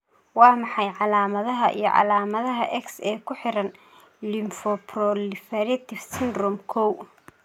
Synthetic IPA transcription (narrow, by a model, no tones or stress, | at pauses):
wɑːmɑħɑjʕɑlaːmɐðɐɦɐʔḭjɞ̰ʕɑ̰laːmɐðɐɦɐʔɛksɛːkʰʊħɪɾɐn | lɪmfɔprɔlɪfɛɾɐt̪ʰɪfsɪnd̪rɔmkʰɔw